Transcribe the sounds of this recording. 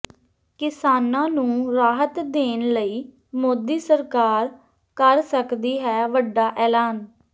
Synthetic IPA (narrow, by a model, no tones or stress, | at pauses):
kɪsaːnãːnũːɾaːɦət̪d̪eːnləiː | moːd̪iːsəɾkaːɾ | kəɾsəkd̪iːɦɛːʋəɖːaːʔɛːlaːn